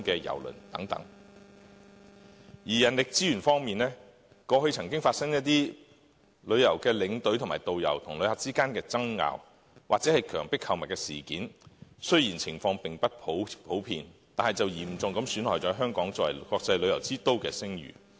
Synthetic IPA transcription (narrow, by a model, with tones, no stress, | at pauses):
kɛː˧jɐ̰˨˩wlɵ̰˨˩nt̪ɐ̰˨˥ŋt̪ɐ̰˨˥ŋ | jiː˨˩jɐ˨˩nlɪ˨k̚t͡siː˥jyː˨˩nfɔː˥ŋmiː˨˩nɛː˥ | kɔː˧hɵ˧ɥt͡sʰɐ˨˩ŋkɪ˥ŋfaː˧t̚sɐ˥ŋjɐ˥t̚t̪iː˥ | lɵ˨˧ɥjɐ˨˩wkɛː˧lɪ˨˧˥ŋt̪ɵ˨˥ɥt̪ʰʊ˨˩maː˨jt̪o˨wjɐ̰˨˩wt̪ʰʊ˨˩ŋlɵ˨˧ɥhaː˨˩k̚t͡siː˥kaː˥nkɛː˧t͡sɐ˥ŋŋa̰ː˨˧w | wa̰ː˨k̚t͡sɛ˨˥hɐ˨jkʰœː˨˩ŋpɪ˥khɐ˧wmɐ˨t̚kɛː˧siː˨˩kiː˨˥nsɵ˥ɥjiː˨˩nt͡sʰɪ˨˩ŋfɔː˧ŋpɪ˨ŋpɐ˥t̚pʰo˨˥pʰo˨˥wpʰḭː˧nt̪aː˨nhɐ˨jt͡sɐ˨wjiː˨˩m̩˨˩t͡sʊ˨ŋkɐ˨˥msyː˨˥nhɔː˨˩jt͡sɔː˨˥ɦœː˥ŋkɔː˨˥ŋt͡sɔ˨˥wɐ̰˨˩kɔː˧k̚t͡sɐ˧jlɵ˨˧ɥjɐ˨˩wt͡siː˥t̪o˥wkɛ̰ː˧sɪ˥ŋjy̰ː˨˩